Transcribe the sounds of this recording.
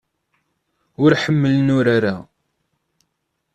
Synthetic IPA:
ʊɾħəmːəlnʊɾaɾa

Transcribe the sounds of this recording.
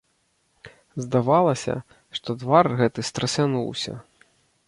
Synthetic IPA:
zd̪avalˠɐsʲɐ̰ | ʂt̪ɔd̪varɣɛt̪ɨst̪ɾɐsʲanṵwsʲɐ̰

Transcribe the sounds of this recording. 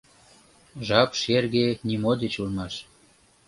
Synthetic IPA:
ʒɑpʃerɣenimod̪et͡ɕulmɑʃ

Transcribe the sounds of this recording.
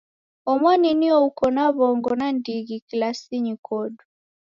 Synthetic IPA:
ɔmwaniniɔukɔnaβɔŋɡɔnandiɡikilasiɲikʰɔdu

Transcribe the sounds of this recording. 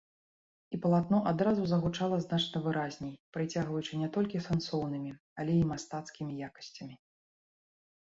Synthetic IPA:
ipɐlˠat̪̚nɔʔad̪ɾazuzɐɣut͡ʂalˠɐznat͡ʂnɐvɨɾazʲnʲejpɾɨt͡sʲaɣvɐjut͡ʂɨnʲɛt̪ɔlʲkʲisɛnsɔwn̪ɨmʲi | ɐlʲɛimast̪at̪skʲimʲijakɐ̥sʲt͡sʲɐmʲi

